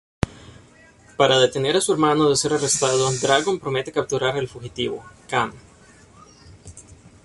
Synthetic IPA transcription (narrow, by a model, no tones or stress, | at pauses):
paɾaðe̞t̪e̞ne̞ɾasue̞ɾmanoðe̞se̞ɾarest̪að̞od̪ɾaɣo̞mpɾo̞me̞t̪e̞kap̚t̪uɾaɾelfuxit̪iβo̰kam